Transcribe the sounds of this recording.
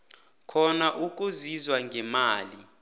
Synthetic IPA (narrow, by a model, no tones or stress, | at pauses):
kʰɔnaʔuk̬ʼuzizwaŋɡʱɛmaːli